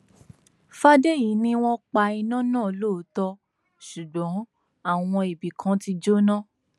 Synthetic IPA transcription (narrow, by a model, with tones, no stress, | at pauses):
fa˦de˦˨ji˨˦nĩ˧w̃ɔ̃˧k͡pa˧i˧nã˦nã˦˨˦lo˦o˨˦tɔ˧ | ʃu˨ɡ͡bɔ̃˨˦ | a˦˨w̃ɔ̃˧e˨bi˨kʰã˨˦ti˧d͡ʒo˦nã˦˨